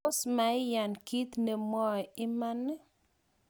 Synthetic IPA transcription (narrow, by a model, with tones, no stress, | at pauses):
ʊ˦sma˨ɪ˦ja˨nki˦t̪ne˨mɔ˦˨ɪ˦ma˦nːɛ˦